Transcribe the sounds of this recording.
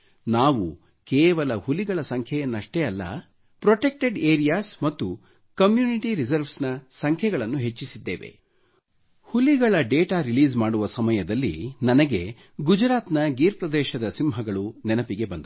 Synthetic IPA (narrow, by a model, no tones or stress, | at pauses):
naːʋu | kɛːʋɐlɐhuliɡɐɭɐsɐŋkʰjɛjɐnːɐʂʈeɐlːɐ̰ | pɾoʈek̚ʈeɖeːɾijaːsmɐt̪ːu | kɐmjuːniʈiɾizɐɾʋsnɐsɐŋkʰjɛɡɐɭɐnːuɦe̞t͡ʃːisid̪ːeːʋe̞̰ | huliɡɐɭɐɖeːʈaːɾiliːzmaːɽuʋɐsɐmɐjɐd̪ɐlːḭnɐnɐɡe̞ | ɡud͡ʒɾaːt̪nɐɡiːɾpɾɐd̪ɛːʃɐd̪ɐsimɦɐɡɐɭunɛnɐpiɡe̞bɐnd̪ɐ